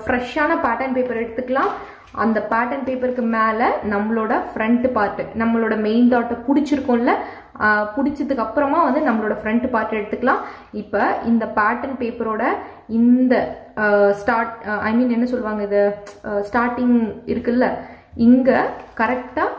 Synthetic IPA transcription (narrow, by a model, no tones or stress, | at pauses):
fɾɛʂaːnɐpaːʈɐnpeːpɐɾɛɽɯt̪ːɯkːɐlãː | ɐ̰nd̪ɐpaːʈɐnpeːpɐɾkɯmeːlɐnɐmːɐɭoːɽɐfɾɛɳʈpaːɾʈːɯnɐmːɐɭoːɽɐmeɪnɖ̪aːʈːɐpʊɽɪt͡ʃːɪɾɯkːʊ̃ːɪlːɐ | pʊɽɪt͡ʃːɐðɯkːɐpːɯɾɐmaːʋɐnd̪ɯnɐmːɐɭoːɽɐfɾɛɳʈpaːɾʈːɐɛɽɯt̪ːɯkːɐlãː | ɪpːɐːɪnd̪ɐpaːʈːɐnpeːpɐɾoːɽɐ | ɪnd̪ɐ | sʈaːɾʈɐ̰ɪmiːnɛnːɐsɔlːɯʋaːŋɡɐɪðɯsʈaːɾʈɪŋɡɪɾɯkːɯlːɐ | ɪŋɡɐkɐɾɛk̚ʈːaː